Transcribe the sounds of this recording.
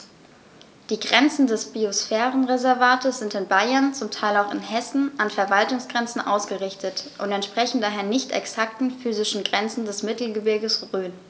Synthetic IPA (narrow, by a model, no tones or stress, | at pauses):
d̥iːɡʁɛnt͡sn̩dɛsb̥iosfɛːʁənʁezɛɐvaːtʰəsz̥ɪntɪnbaɪɐnt͡sʊmtʰaɪlaʊxɪnhɛsn̩ʔanfɛɐvaltʊŋsɡ̥ʁɛnt͡sn̩ʔaʊsɡ̥əʁɪçtʰətʔʊntɛntʃpʁ̥ɛçn̩daːɦeːɐnɪçtɛ̰ksak̚tn̩fyːzɪʃn̩ɡʁɛnt͡sn̩dɛsmɪtl̩ɡəbɪɐɡəsʁøːn